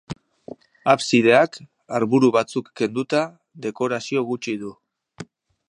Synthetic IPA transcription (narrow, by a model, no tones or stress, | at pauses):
apsiðe̞ak | aɾβuɾuβat͡sukːe̞nd̪ut̪a | ðe̞ko̞ɾasio̞ɣut͡ʃiðu